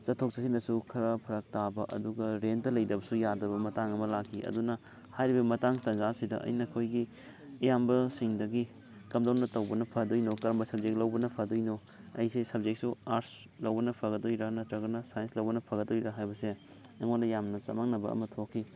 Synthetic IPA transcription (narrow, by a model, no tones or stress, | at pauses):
t͡ʃɐtʰːok̚sɐsinɐsukʰɐɾɐpʰɐɾɐk̚tabɐʔɐ̰duɡɐɾendɐlɐjdɐbɐsujadɐbɐmɐtaŋɐmɐlakʰːiʔɐ̰dunɐ | hajɾibɐmɐtaŋtɐŋzasidɐ̰ʔɐ̰jnɐkʰojɡi | ɐjambɐsiŋdɐɡi | kɐmdawnɐtɐwbɐnɐpʰɐɡɐdojnokɐɾɐmbɐsɐb̚d͡ʒek̚lɐwbɐnɐpʰɐdojno | ɐjsesɐb̚zek̚suaɾs | lɐwbɐnɐpʰɐɡɐdojɾɐnɐtɾɐɡɐnɐsajenslɐwbɐnɐpʰɐɡɐdojɾɐɦajbɐse | ɐŋondɐjamnɐsɐ̰maŋnɐbɐ̰ɐ̰mɐtʰokʰːi